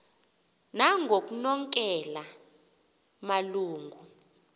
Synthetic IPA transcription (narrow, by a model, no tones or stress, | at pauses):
naŋʱok̬ʼunɔŋkʼɛla | maluːŋɡʱu